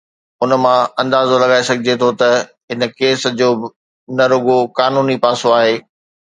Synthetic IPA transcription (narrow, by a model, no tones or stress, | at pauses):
ʊnə̆mãɐ̃nd̪aːzolɐɠaːesɐɡʱɪd͡ʑet̪ʰot̪ɐ | ɦɪnə̆keːsd͡ʑoːbɪ | nɐɾʊɡokaːnuːnipaːsoaːɦeː